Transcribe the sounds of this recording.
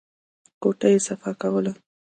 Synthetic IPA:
koʈajesafakawəla

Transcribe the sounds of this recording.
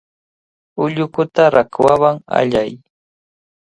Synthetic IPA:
ʊʎʊkʊt̪aɾakwawaŋa̰ʎaj

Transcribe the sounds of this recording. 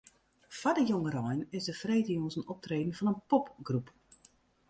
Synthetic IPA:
fadəjoŋəɾɔjnɪsdəfreːtəjoŋzənɔp̚treːdən̩fɔnənpɔpɡrup

